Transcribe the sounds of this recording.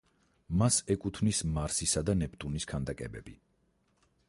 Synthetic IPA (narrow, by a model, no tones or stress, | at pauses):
masɛkʼut̪ʰvnismaɾsisad̪anɛpʰt̪ʼuniskʰand̪akʼɛbɛ̰bi